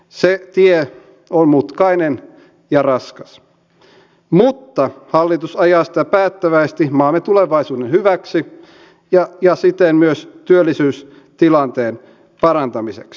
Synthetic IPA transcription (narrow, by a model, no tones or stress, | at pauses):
set̪ie | onmut̪kɑinen | jɑrɑskɑs | mut̪ːɑhɑlːit̪usɑjɑːsi̥t̪æpæːt̪ːæʋæist̪imɑːmet̪uleʋɑisuːdenhyʋæksi | jɑjɑsit̪enmyøst̪yølːisyːs | t̪ilɑnt̪eːn | pɑɾɑnt̪ɑmiseks